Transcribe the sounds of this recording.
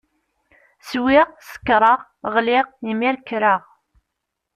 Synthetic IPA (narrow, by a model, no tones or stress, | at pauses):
swɪʁsə̥kːɾˤəʁ | ʁlɪʁjimiɾkɾəʁ